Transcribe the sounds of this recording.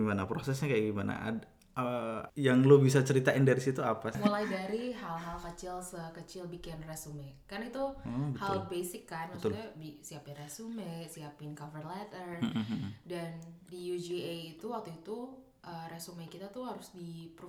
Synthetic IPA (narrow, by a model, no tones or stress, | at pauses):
imanapɾosɛsɲakajaɡimana̰a̰ | əjaŋlobis̬at͡ʃəɾit̪aɪndaɾisit̪uapasmulajdaɾiɦalɦalkət͡ʃɪlsəkət͡ʃɪlbikɪnresumɛkarnait̪uɔbəhalbesɪkːansɲabisiapɪnrɛsumɛsiapɪnkavərlɛt̪ər | dandijud͡ʒieit̪uwak̚t̪uit̪u | ʔəresumekit̪at̪uɦaɾʊsdipɾu